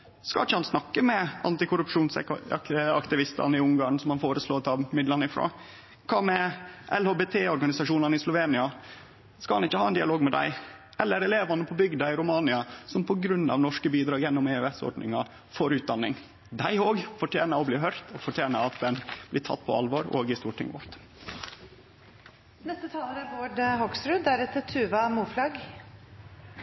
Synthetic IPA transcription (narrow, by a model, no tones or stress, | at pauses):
skɑɪçːəhɑnsnɑkːəmɛɑ̰nt̪ɪkʰʊɾʉpʂuːns | ɑ̰kt̪ɪʋɪst̪ɑ̰nəɪʊŋɡɑːɳ̩sɔmɑnfoːɾəsloːt̪ʰɑmɪd̪lɑnɪfɾo̰ː | kʰɑːmɛʔɛlhoːbeːt̪ʰeːɔɾɡɑnɪsɑʂuːnɑnəɪslʊʋeːnɪɑ | skɑlhɑnɪçːəhɑːɛnd̪ɪɑloːɡmɛd̪æ̰ɪ | ɛlːəɾɛleːʋɑnəpʰɔbʏɡd̪ɑɪɾʊmɑːnɪɑsɔmpʰɔɡɾʉnːɑ̰ʋnɔʂkəbiːd̪ɾɑːɡjɛnːɔmeœɛsɔ̰ːɖɳɪ̰ŋɑ | foːɾʉːt̪̚d̪ɑnːɪ̰ŋ | d̪æɪoːɡfɔʈʰjeːnɑɔbliːɦœɾt̪ʰɔfɔʈʰjeːnɑɑt̪̚d̪ɛnb̥lɪʈʰɑ̰t̪ːpʰɔ̰ɑ̰lʋoːɾo̰ːɡɪst̪uːʈʰɪ̰ŋʋɔ̰ɾt̪ | nɛst̪ət̪ʰɑːləɾæɾboːɖhɔɡsɾʉd̪æɾɛt̪ːət̪ʰʉːʋɑmuːflɑɡ